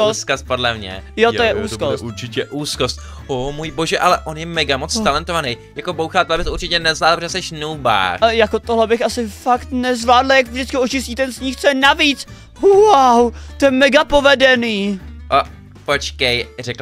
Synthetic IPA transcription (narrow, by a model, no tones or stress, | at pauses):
osskast̪̚podlɛmɲɛ̰jot̪ojɛuːskosuɾt͡ʃɪcɛʔuːskost̪̚ | omujboʒɛʔalɛʔo̞njɛmɛɡamot͡st̪alɛnt̪ovanɛj | jakobowxaːt̪ɛlabɪsuɾt͡ʃɪcɛnɛzaːdlpoʒɛsɛʃnuːba̰ːjakot̪oɦlɛbɪxʔasɪfakt̪nɛzvlaːdlajakvʒdɪt͡skɪot͡ʃɪsciːt̪ɛnsɲixt͡sɛnaviːt͡s | wawt̪ojɛmɛɡapo̞vɛdɛniːʔo | pot͡ʃkɛjrɛkl